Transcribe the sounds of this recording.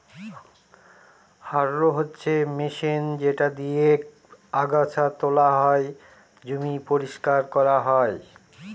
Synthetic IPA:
haɾːoɦotːɕʰemiʃind͡ʑeʈad̪ije | aɡat͡ɕʰat̪olaɦɔe | d͡ʑumipoɾiʃkaɾkɔɾaɦɔe

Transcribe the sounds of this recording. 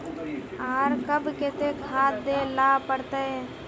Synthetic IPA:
aːɾkəbket̪ekʰaːt̪̚d̪elaːpəɽt̪ee

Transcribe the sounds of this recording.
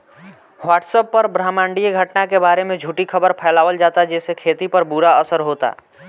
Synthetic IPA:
waːʈsəpːəɾbɾaːmãːɳɖijeɡʱəʈnakebaːɾemẽd͡ʒʱuːʈikʰəbəɾpʰɛɪlaːʋəld͡ʒaːt̪ad͡ʒɛːsekʰeːt̪ipəɾbuɾaəsəɾɦot̪a̰ː

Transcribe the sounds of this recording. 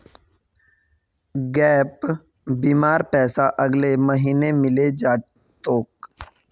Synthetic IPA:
ɡɛːp | biːmaːɾpɛːsaʔɐɡleməɦiːnemɪled͡ʒaː | t̪oːk̚

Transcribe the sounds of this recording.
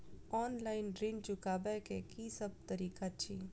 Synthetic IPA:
ɔːnlaːɪnɖɾind͡ʒʊkaːbɛkekisəb̚t̪ɐɾiːkat͡ʃʰiː

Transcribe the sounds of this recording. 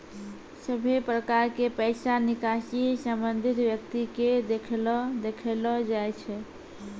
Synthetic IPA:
səbʱepɾəkaɾkepəɪsanikasisəmbənd̪ʱit̪bjək̚t̪iked̪ekʰld̪ekʰelɔd͡ʒajt͡ʃʰɛ

